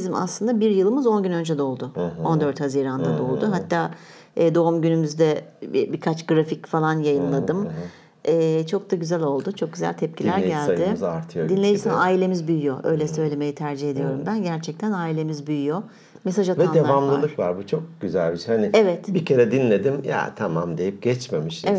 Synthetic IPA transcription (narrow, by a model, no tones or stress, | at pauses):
zima̰slˠɯnd̪abiɾjɯlˠɯmɯzo̞nɟynø̞nd͡ʒɛd̪o̞lˠd̪ʊo̞nd̪øɾt̪haziːɾand̪ad̪o̞lˠd̪ʊɦat̪ʰːaː | ɛːd̪o̞umɟynymyzd̪ɛbiɾkʰat͡ʃɡɾaficfalˠanjajɯnlˠad̪ɯm | ɛːt͡ʃʰo̞k̚d̪aɟyzælʲo̞lˠd̪ʊt͡ʃʰo̞k̚ɟyzæ̰lʲt̪ʰɛp̚cʰilʲæɾɟælʲd̪ɪzaɾt̪ʰɯjod̪inlʲe̞d͡ʒisaaːilʲe̞mizbyjyjoʔø̞̰jlʲɛsø̞jlʲe̞me̞jit̪ʰæɾd͡ʒihe̞d̪ijo̞ɾumbænɟæɾt͡ʃʰɛc̚t̪ʰænaːilʲe̞mizbyjyjo̞ | mesaʒavɛad̪evamlˠɯlˠɯkva̰ɾbut͡ʃʰo̞k̚ɟ̥yzælʲbiʃhanɪevɛt̪bicʰe̞ɾɛd̪inlʲe̞d̪imja̰t̪ʰamamd̪e̞jip̚ɟ̥ɛt͡ʃme̞miʃeɛ